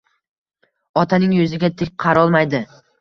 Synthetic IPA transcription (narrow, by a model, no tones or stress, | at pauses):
ɒt̪ʰanɪŋjɵzɪɡʲat̪ʰɪk̚ʲqʰɑɾɒlˠmajd̪ɪ